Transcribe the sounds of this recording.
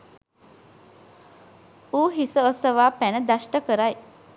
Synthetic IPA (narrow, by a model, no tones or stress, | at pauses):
uːɦisəosəʋaːpænəd̪aʃʈəkəɾaj